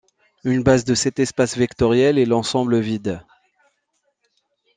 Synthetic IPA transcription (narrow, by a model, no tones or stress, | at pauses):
ynbazd̪əsɛt̪ɛspasvɛkt̪ɔʁjɛlɛlɑ̃sɑ̃bləvid̪